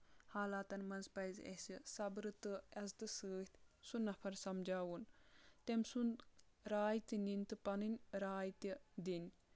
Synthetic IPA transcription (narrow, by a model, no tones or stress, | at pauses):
haːlaːt̪ɐnmɐnzpɐjzḛsisɐbɾɨt̪ɨɐzt̪ɨsɨːht̪ʲsunːɐpʰɐɾsɐmd͡ʒaːwunt̪emsun | ɾaːjt̪inint̪ɨpɐnɨnʲɾaːjt̪id̪inʲ